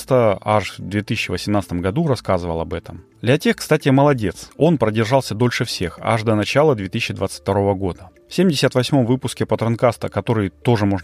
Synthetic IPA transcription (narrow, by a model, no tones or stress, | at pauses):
st̪əaʂvd̪vʲet̪isʲɪɕːɪvəsʲɪmnat̪sət̪əmɡɐd̪uɾɐskazɨvəlˠɐbɛt̪əmd̪lʲɐtʲexkst̪atʲɪməlˠɐdʲe̞t̪so̞npɾədʲɪrʐɑlˠsʲəd̪o̞lʲʂɨfsʲe̞xa̰ʐd̪ənɐt͡ɕalˠəd̪vʲe̞t̪is̬ʲɕːɪd̪vat̪ɨ̥tʲt̪ɐɾo̞vəɡo̞d̪ə | fsʲemʲdʲɪsʲət̪vɐsʲmo̞mvɨpʊskʲɪpət̪ɾɐnkast̪əkɐt̪o̞ɾɨjt̪o̞ʐɨmo̞ʐnə